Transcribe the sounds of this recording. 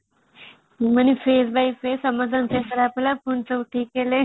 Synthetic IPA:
məñifesbajfesəməd͡zʱanfesəɾaplapuɳt͡səwʈʰiːkːele

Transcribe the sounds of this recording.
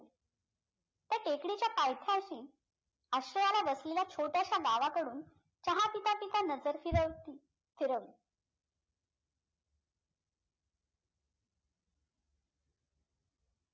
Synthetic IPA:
t̪jaʈekɽit͡ɕjapajt̪ʰjaɕiː | aɕɾəjalaʋəslelat͡ɕʰoʈjaɕaɡaʋakəɽuːn | t͡ɕəɦapit̪apit̪anəd͡zəɾfiɾə | fiɾəʋli

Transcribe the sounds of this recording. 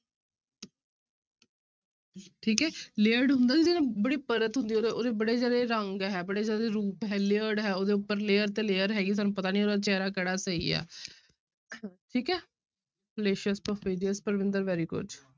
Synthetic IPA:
ʈʰiːkɦɛːleəɖɦʊ̃nd̪aːd̪iːd͡ʒɪnẽːbəɽiːpəɾət̪ɦʊ̃nd̪iːoːeoːd̪eːbəɽeːd͡ʒaːɾeːɾəŋɡɦɛːbəɽeːd͡ʒaːɾeːɾuːpɦɛːlɪəɖɦɛːoːd̪eːʊpːəɾleːəɾt̪eːleːəɾɦɛːɡiːs̬aːnũːpət̪aːnĩːoːd̪aːt͡ʃɛːɾaːkəɽaːsəḭːɛ̰ː | ʈʰiːkɛː | bəleːʃəspəfiːɖiəspəɾʋɪ̃nd̪əɾʋɛːɾiːkʊ̰t͡ʃ

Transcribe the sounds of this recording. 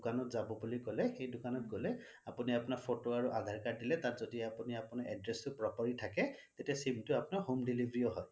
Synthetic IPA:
dʊkanɔtzabɔbulikɔlɛxejdʊkanɔt̚ɡɔlɛ | apuniapʊnaɹpʰotoaɹuʔad̪ʱaɹkadilɛtatzɔdiapuniapunaɛdɹɛstʊpɹɔpɔɹitʰakɛt̪etiasimtʊapʊnaɹɦomdilibʱɹiɔɦɔj

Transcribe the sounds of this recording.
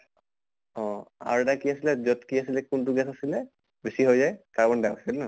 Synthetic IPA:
ɔ̃a̰ɹɛtakiasilɛzɔtkias̬ilɛkuntuɡɛsasilɛ | besiɦojzajkabɔndawksɛlnɔ

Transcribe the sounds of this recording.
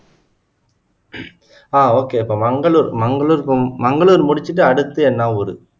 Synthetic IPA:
aːoːkːeɪpːoːmɐŋɡɐɭuːɾmɐŋɡɐɭuːɾmɐŋɡɐɭuːɾmʊɽɪt͡ʃːɯʈːɯɐɽɯt̪ːɯɛnːaːɔɾɯ

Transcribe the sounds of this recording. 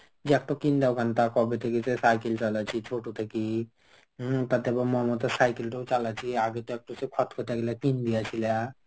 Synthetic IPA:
d͡ʒiɛk̚ʈɔkind̪awkʰant̪akɔbet̪ʰekisesajkelt͡ʃalat͡ɕʰit͡ʃʰoʈot̪ʰeki | t̪at̪eɛbamɔɦɔmɔt̪asajkelʈɔt͡ʃalat͡ʃʰiaɡet̪ɔɛk̚ʈɔsekʰɔt̪kʰɔt̪ʰaɡelakind̪ijat͡ɕʰila

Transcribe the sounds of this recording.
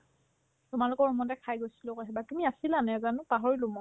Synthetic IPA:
tʊmalʊkɔɹɔmɔntɛkʰajɡojsilʊkoɦɛbatumiasilanɛzanũpaɦɔɹilumɔ

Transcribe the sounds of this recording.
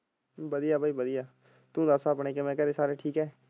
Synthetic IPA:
bəd̪ijaːbʱaːiːbəd̪ijaː | t̪ũːd̪əsaːpɳeːkemɛ̃ːkəɾeːsaːɾeːʈʰiːkɦɛː

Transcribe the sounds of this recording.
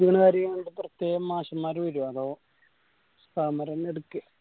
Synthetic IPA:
diɳɐkaːɾjɐeːɳɖɨprɐt̪jeːɣɐmːaːɕɐmːaːɾuʋiɾoːɐðoː | st̪aːmɐɾɐneɽukːɨ

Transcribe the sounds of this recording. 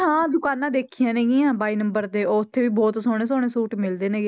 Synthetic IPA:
ɦãːd̪ʊkaːnãːd̪eːkʰijãːneːɡiːãːbaːiːnəmbəɾt̪eːoːʊt̪ʰːeːʋiːbɔːt̪soːɽ̃eːs̬oːɽ̃eːsuːʈmɪld̪eːneːɡeː

